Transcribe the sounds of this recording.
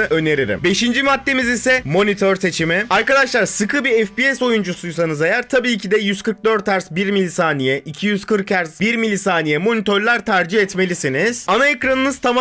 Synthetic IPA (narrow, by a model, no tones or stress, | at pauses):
ø̞ne̞ɾiɾḭmbe̞ʃind͡ʒimat̪ːe̞mizisɛmo̞nit̪ʰøɾse̞t͡ʃʰimiaɾkad̪aʃlˠaɾsɯkʰɯbiɛfpiɛso̞jund͡ʒusujs̬anɯzajæɾt̪ʰabiːcʰid̪ɛjyzkʰɯɾk̚d̪ø̞ɾt̪ʰːæɾsbiɾmilʲisaːnijɛʔicʰijyz̥kʰɯɾkæɾzbiɾmilʲisaːnijɛmo̞nit̪ʰøɾlʲˠaɾt̪ʰaɾd͡ʒihɛt̪me̞lʲisiniz̥anaekɾanɯnɯz̥t̪ʰama